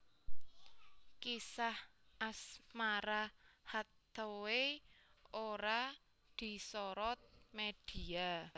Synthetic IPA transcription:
kisahʔasmaɾahat̪owe | oɾa | d̪̥i̤sɔɾɔt̪̚meɖ̥i̤a

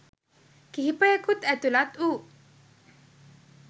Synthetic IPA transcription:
kiɦipəekut̪ɛt̪ulat̪u

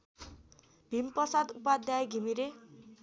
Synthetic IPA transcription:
b̥ʱimpʌsad̪upad̪jajɡʱimiɾe

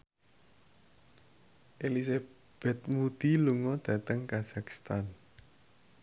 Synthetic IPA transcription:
ʔelis̬a | b̥ɛt̪̚mut̪iluŋɔd̪̥ä̤t̪əŋkaz̥aki̥st̪an

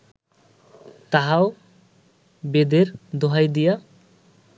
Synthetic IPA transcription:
t̪aɦaw | bed̪eɾd̪oɦajd̪ija

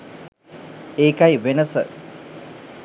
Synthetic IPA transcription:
eːkɐjʋenəsə̰

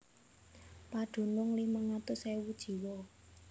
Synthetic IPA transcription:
paɖ̥o̤nʊŋlimaŋat̪ʊsewud̥ʒ̥i̤wɔ

